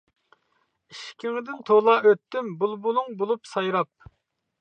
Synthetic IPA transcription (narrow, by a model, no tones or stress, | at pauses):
iʃkʲʰiŋɪd̪ɪnt̪ʰolˠɑøt̪ːymbulˠbulˠuŋbolˠupsɑjɾɑp̚